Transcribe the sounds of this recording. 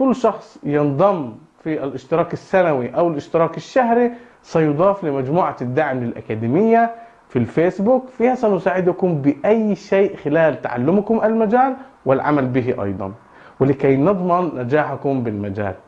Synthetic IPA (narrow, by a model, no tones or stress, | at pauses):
kʊlːʃɑxsˤjɪnd̪ˤɑm | fiʔalʔɪʃt̪ɪɾɑːkɪsːanawiʔawɪlʔɪʃt̪ɪɾˤɑːkɪʃːahɾi | sɑjʊd̪ˤɑːflɪmad͡ʒmuːʕad̪ːaʕmlɪlʔa̰kaːd̪ɪmɪjːa | filfeːsbuːkfiasɑnʊsaːʕɪd̪ʊkʊmbɪʔajːʃeːʔxɪlaːlt̪a̰ʕa̰lːʊmkʊmʔalmad͡ʒaːlwɪlʕa̰malbɪɦɪʔɑ̰jd̪ˤɑ̰n | wɪlɪkajnɨd̪ˤmɑnːad͡ʒaːħakʊmbɪlmad͡ʒa̰ːl